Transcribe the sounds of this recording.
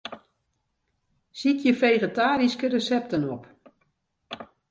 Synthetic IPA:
sikʰjəfejɣətaːɾiskərəsɛp̚tənɔp

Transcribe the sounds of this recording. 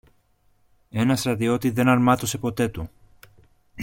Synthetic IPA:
e̞nɐst̪ɾɐt̪io̞t̪iðe̞nɐɾmɐt̪o̞se̞po̞t̪e̞t̪u

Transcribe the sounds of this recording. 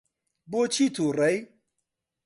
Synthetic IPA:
bot͡ʃʰit̪ʰuːrɐj

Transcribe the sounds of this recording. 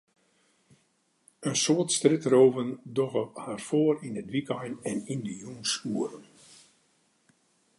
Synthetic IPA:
ənsoətstrɪtroːvəndɔɣəharfoəɾinədʋikɔjnɛnindəjunsuəɾən

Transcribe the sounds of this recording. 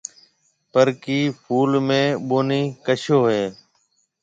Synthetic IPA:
pəɾkiːpʰuːlmẽːɓoːniːkəʃoːɦeː

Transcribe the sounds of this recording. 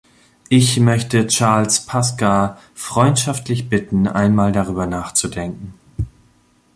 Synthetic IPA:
ʔɪçmœçtət͡ʃaɐlspʰaska | fʁ̥ɔʏntʃaftlɪç̬b̥ɪtn̩ʔa̰ɪnmaːldaʁ̞yːbɐnaːχt͡sudɛŋkŋ̩

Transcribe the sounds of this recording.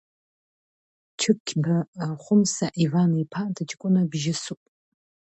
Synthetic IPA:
t͡ʃʰɨp̚kʲʰbaχʷʊmsaʔivanipʰadɨt͡ʃʼkʷʼʊnabʒɪsupʼ

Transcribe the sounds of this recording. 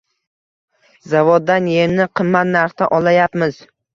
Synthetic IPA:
zavod̪ːanje̞mnɪqʰɨmːat̪naɾχt̪aʔɒlajapmɪz

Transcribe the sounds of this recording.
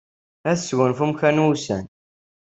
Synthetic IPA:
æθswənfumçænwusæ̰n

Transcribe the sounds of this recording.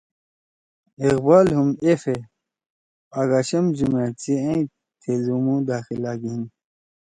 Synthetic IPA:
iqbaːlhumefe | ɐɡaɕɐmʑumet͡siẽĩ | t̪ʰezumud̪aːxilaːɡin

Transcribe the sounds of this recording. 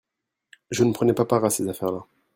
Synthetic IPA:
ʒənəpχənɛpapaʁasezafɛʁla

